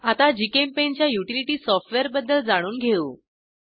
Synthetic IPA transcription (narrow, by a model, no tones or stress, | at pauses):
at̪ad͡ʑikempent͡ɕjajuʈiliʈiːsɔfʈʋeɾbəd̪ːəld͡zaɽ̃uːnɡʱeuː